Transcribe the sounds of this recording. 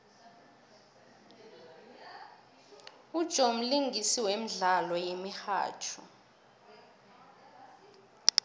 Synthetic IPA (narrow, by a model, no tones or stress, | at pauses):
ud̥ʒ̥ʱom̩liŋɡʱisiwem̩ɮalɔjemixa̰ːt͡ʃʰṵ